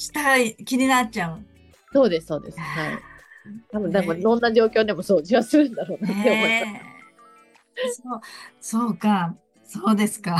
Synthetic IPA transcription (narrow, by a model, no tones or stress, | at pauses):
ɕi̥t̪aɡaikʲiɲ̟inat̚t͡ɕaɯ̟ | so̞ːd̪e̞sɨ̥so̞ːd̪e̞̰sɨ̥haḭt̪abɯ̟nd̪abɯ̟̃nd̪õ̞nːaʑo̞ːkʲo̞ːd̪e̞mo̞so̞ːʑiβasɨɾɯ̟̃nd̪aɾo̞ːnaeoma | soːso̞ːka | soːd̪e̞sɨ̥ka